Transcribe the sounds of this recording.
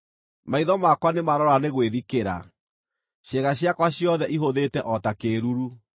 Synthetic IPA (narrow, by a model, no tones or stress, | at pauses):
maiðɔmakwanemaɾɔɾaneɣweðikeɾa̰ | ɕeɣaɕjakwaɕjɔðɛʔiɦoðetɛʔɔtakeːɾuɾu